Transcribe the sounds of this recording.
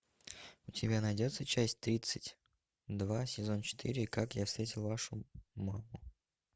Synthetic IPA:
ʊtʲɪbʲanɐjdʲo̞t̪sət͡ɕæsʲtʲt̪ɾʲit̪sɨ̥tʲ | d̪vasʲɪzo̞nt͡ɕɪ̥t̪ʰɨ̰ɾʲɪːkakjafst̪ɾʲetʲɪlˠvaʂʊmamʊ

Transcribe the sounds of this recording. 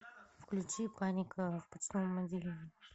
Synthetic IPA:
fklʲʉt͡ɕipanʲɪkʰəfpɐt͡ɕt̪omːɐd̪ʲilʲɪ

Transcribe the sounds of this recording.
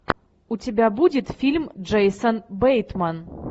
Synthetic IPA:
utʲebʲabudʲɪt̪fʲilʲmd͡ʐɛjsənbejt̪man

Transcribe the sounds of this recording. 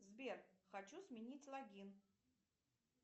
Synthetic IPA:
zbʲerxɐt͡ɕusmʲɪnʲitʲlˠɐɡʲin

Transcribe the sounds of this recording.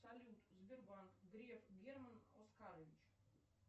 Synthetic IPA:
salʲut̪zbʲɪrbanɡɾʲefɡʲermənoskaɾəvʲit͡ɕ

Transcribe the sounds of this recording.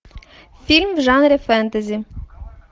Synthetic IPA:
fʲilʲmwʒɑnɾʲɪfɛnt̪ɐzʲi

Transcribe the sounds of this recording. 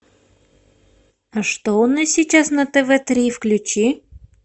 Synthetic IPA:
ɐʂt̪oʊnasʲit͡ɕasnɐt̪ɛvɛt̪ɾʲifklʲʉt͡ɕi

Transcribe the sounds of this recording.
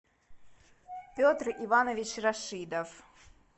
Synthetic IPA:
pʲɔt̪rivanɐvʲit͡ɕraʂɨd̪ɐf

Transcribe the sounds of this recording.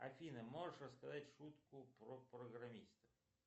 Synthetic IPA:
ɐ̰fʲinɐmɔʐeʂɾɔskɐzatʲʃut̪kʊpɾɔpɾɔɣɾɐmʲist̪ɐ

